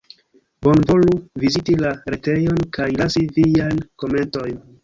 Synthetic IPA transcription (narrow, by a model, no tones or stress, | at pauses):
bo̞nvo̞luvizitilaɾete̞jo̞nkajlasivijajnko̞me̞nto̞jn